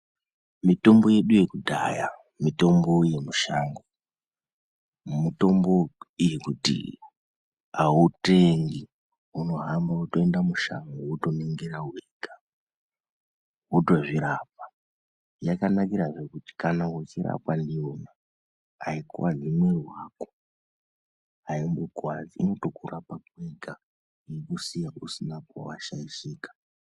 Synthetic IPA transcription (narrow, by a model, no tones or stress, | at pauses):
mito̞mbo̞je̞ɗuje̞kudʱa̰ja̰ | mito̞mbo̞je̞muʃaːŋɡo | mito̞mbo̞ijekutḭ | auteŋɡi | uno̞ɦambautoendamuʃa̰ŋɡouto̞niŋɡeɾaueɡa | wutoʐiɾap̚ḁ | jakanakiɾaʐekuti̥kanawet͡ʃiɾa̰pwandio̞na | aikwazimwerwako̥ | aimbuɡwad͡ziino̞to̞kurapakuweɡʱa | iikusijausinaka̰waʃaiʃiːkḁ